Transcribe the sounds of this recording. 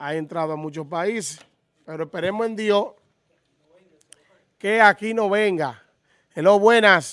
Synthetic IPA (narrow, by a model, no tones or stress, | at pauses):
ae̞nt̪ɾaðoamũt͡ʃospaise | peɾoehpe̞ɾemoẽnd̪jo | keakinoβeŋɡa | eloβwenas